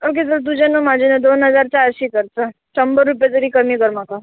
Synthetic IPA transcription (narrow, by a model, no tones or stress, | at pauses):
ok̬es̬əɾt̪̬ud͡ʑenumad͡ʑʱuned̪onɦəd͡zaɾt͡ɕaɾɕiːkəɾt͡sə | t͡ʃəmbəɾːup̬jat̪̬əɾikəmikəɾmaka